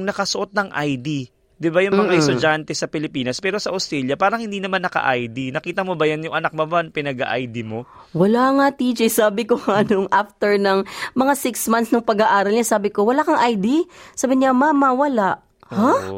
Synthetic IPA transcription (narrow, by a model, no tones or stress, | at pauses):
ŋnɐkɐsoʔo̞t̪̚nɐŋʔajd̪i | d̪ɪbajʊŋmɐŋaʔɛst̪ʊd͡ʒant̪ɛsɐpɪlɪpiːnɐspɛːɾo̞sɐʔost̪ɾɛljɐpaːɾɐŋhɪnd̪iːnɐmanːɐkɐ̰ʔa̰jd̪inɐkiːt̪ɐmo̞bɐjanjʊŋʔɐnak̚mɐmanpɪnɐɡa̰ʔajd̪imo̞ | wɐlaŋat̪iːd͡ʒɛjsaːbɪkoŋanʊŋʔaft̪ɛɹnɐŋmɐŋasɪksmansnɐŋpɐɡaʔaːɾɐlɲasaːbɪkowɐlaːkɐŋʔajd̪isaːbɪɲamamːɐwɐlaʔ | ha